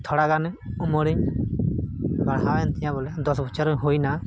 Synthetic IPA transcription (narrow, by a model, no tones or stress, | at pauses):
t̪ʰɔɽaɡan | umɔɽiɲ | ɡaɽɦawɛnt̪ɛjãbɔlɛd̪ɔsbɔt͡ʃaɾɦojna